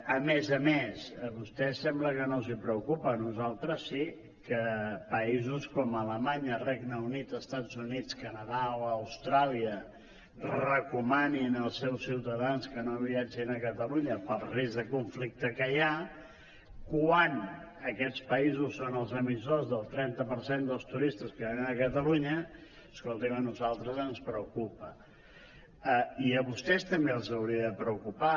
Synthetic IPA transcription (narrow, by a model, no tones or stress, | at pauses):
əmezəmesβust̪ɛsɛmbləkənozipɾəukupənuzalˠt̪ɾəsːi | kəpəizuskɔmələmaɲərɛɡnəunit̪əst̪ad͡zunit͡skənəðaoəwst̪ɾaliə | rəkumaninəlˠsɛwsːiwt̪əðanskənoβiad͡ʒinəkət̪əluɲəpəlˠrizðəkuɱflik̚t̪əkəja | kwanəkɛt͡spəizusːonəlˠzəmisozðəlˠt̪ɾɛnt̪əpəɾsend̪əlˠst̪uɾist̪əskəβaninəkət̪əluɲə | əskolˠt̪imənuzalˠt̪ɾəzənspɾəukupə | əiəβust̪ɛst̪əmbeəlˠzəwɾiəðəpɾəukupa